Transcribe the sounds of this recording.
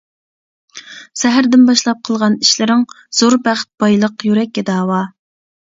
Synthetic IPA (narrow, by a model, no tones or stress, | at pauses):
sɛɦæɾd̪ɪnbɑʃlˠɑp̚qʰəlˠʁɑniʃlɪɾɪŋ | z̥oɾbæχt̪̚b̥ɑjlˠəqjyɾɛk̚ʲːɛd̪ɑːwɑ